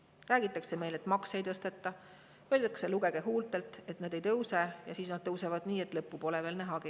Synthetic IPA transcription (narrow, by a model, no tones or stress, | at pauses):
ræːɡ̥it̪ːˑɑkse̞me̞jle̞t̪mɑksejt̪ɤst̪e̞t̪ːˑɑ | øld̪ɑkse̞luɡ̥e̞ɡ̥e̞ɦuːlt̪e̞lt̪ˑe̞t̪ˑnɑd̪̥e̞jt̪ɤwse̞jɑsiːsnɑd̪̥̚t̪ːɤwsevɑd̪̥niːe̞t̪ːˑlɤpːupo̞leve̞ːlnæɦɑɡ̥i